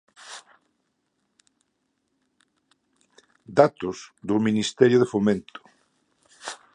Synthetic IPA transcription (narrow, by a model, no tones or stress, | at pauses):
d̪at̪ʊsðʊminist̪ɛɾjʊðefomẽnt̪ʊ̥